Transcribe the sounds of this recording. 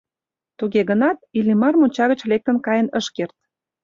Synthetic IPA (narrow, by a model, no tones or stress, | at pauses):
t̪uɣeɣənɑt̪̚ilimɑrmonʲt͡ɕɑɣə̆t͡ɕlek̚t̪ə̆nkɑjənəʃkert̪̚